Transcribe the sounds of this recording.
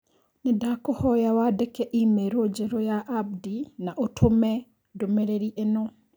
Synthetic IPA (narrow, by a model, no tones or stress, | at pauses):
nedakohɔjawadekɛʔimeɾod͡ʒeɾojaʔab̚dinaʔotʰomɛ | domeɾeɾiʔenɔ